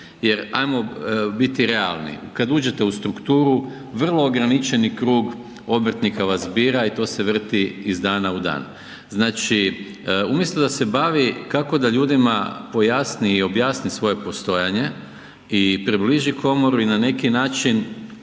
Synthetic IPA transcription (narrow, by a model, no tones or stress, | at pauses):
je̞ɾa̰jmo̞bit̪iɾe̞a̰lˠnḭkad̪uːd͡ʒe̞t̪eust̪ɾukt̪uːɾu | ʋr̩lˠo̞ːɡɾanit͡ʃe̞nikɾuːɡ | o̞br̩t̪nikaʋasbiːɾait̪o̞ːse̞ʋr̩t̪iizd̪aːnaud̪a̰ːn | znaːt͡ʃi | umjest̪od̪ase̞baʋikako̞d̪aʎuːd̪imapo̞jaːsniːo̞bjaːsnisʋo̞je̞po̞st̪o̞jaɲe̞ | ipɾibliʒikʰo̞mo̞ɾuinane̞kinaːt͡ʃin